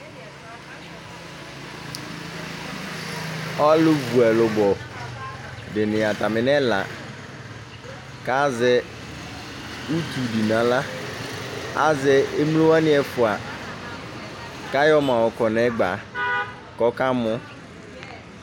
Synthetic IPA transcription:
ɔ˦lʊ˦vu˨ɛ˨lʊ˨bɔ˨ | dɪ˨nɪ̃˨a˨t̪a˨mɪ˨nɛ˦la̰˨ | ka˦zɛ˦ | u˦t̪u˨di˨nã˨la˦ | a˦zɛ˨e˦m˦lo˦wa˦nɪ̃˦ɛ˨fʊ˨a˨ | ka˦jɔ˦mã˨wɔ˨kɔ˨nɛ˨˦ɡ͡ba˨ | kɔ˦ka˦mʊ̃˦

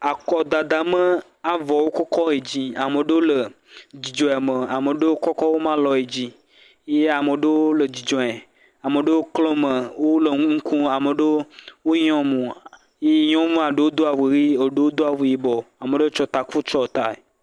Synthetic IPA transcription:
a˨kɔ˨d̪a˨d̪a˨mə̃˦ | a˨vɔ˨wo˦kɔ˦kɔ˦e˨d͡ʑi˦a˨mə̃˨ɖə˦wo˦lə˨ | d͡ʑi˨d͡ʒɔ̃˨e˨mə̃˨a˨mə˨ɖə˦wo˦kɔ˦kɔ˦wo˦mã˦lɔ˨e˨d͡ʑi˦ | je˦a˨mə˨ɖə˦wo˦lə˨d͡ʑi˨d͡ʒɔ̃˨e˨ | a˨mə˨ɖə˦wo˦klɔ̃˦mə̃˨wo˦lə˨ŋ˦ŋũ˦kũ˦a˨mə˨ɖə˦wo˦ɲ˦ɔ̃˦mũ˨ | je˦ɲɔ̃˦mũ˦a˨ɖə˦wo˦d̪o˦a˨we˨ɾi˦e˨ɖe˦wo˦d̪o˦a˨ve˨ji˨bɔ˨a˨mə˨ɖə˦wo˦t͡ʃɔ˦t̪a˨ku˦t͡ʃɔ˦˨t̪a˨e˨

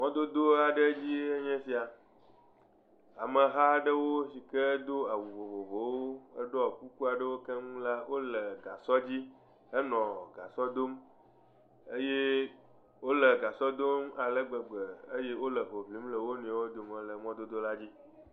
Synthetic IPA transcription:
mɔ̃˦d̪o˦d̪o˦a˨ɖə˦d͡ʑi˦e˦ɲɛ̃˦si˨a˨ | a̰˨mə̃˨ɦa˦ɖə˦wo˦si˨kə˦d̪o˦a˨wu˨vo˨vo˨vo˨˦woo˦ə˦ɖo˦ɔ˨ku˦ku˦a˨ɖə˦wo˦kɛ˦ŋũ˦la˦wʔo˦lə˨ɡa˨sɔ˦d͡ʑi˦ | ə˦nɔ̃˨ɡa˨sɔ˦d̪o˦m | e˦je˦ | wo˦lə˨ɡa˨sɔ˦d̪o˦ma˨lə˦ɡ͡bə˨ɡ͡bə˨ə˦je˦wo˦lə˨ɦo˨vli˨˦mlə˨wo˦nũ˨a˨wo˦d̪o˨mə̃˨lə˨mɔ̃˦d̪o˦d̪o˦la˦d͡ʑi˦

